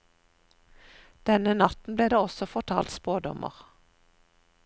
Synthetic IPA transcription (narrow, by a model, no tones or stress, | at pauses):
d̪̥ɛnənɑt̪n̩bleːd̪eːɔsɔfɔʁt̪ʰɑ̰ːlt̪spoːd̪ɔ̰mʔə̰ʁ